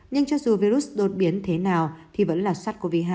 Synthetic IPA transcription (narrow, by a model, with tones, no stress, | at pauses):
ɲɨ˧ŋt͡ɕɔ˧zu˨˩vi˧ɾu˦˥sɗo˨˩t̚ɓi˨˦ənt̪ʰe˨˦naː˨˩wt̪ʰi˨˩və̰˧˥nlaː˨˩swa˦˥t̚ko˧vi˦˧˩ɦaː˧